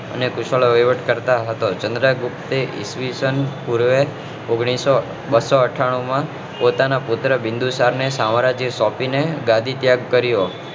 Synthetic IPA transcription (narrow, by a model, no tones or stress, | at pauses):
ə̰nekʊʃəɭoʋiʋəʈkəɾt̪aɦət̪ot͡ʃənd̪ɾaɡupt̪eʔɪ̰sʋisənpuɾʋe | oɡɽ̃iso | bəsoəʈʰaɽ̃umã | pot̪anapʊt̪ɾəbɪ̃nd̪usaɾnesãʋɾad͡ʒisɔpineɡad̪ʱit̪jaɡkəɾjo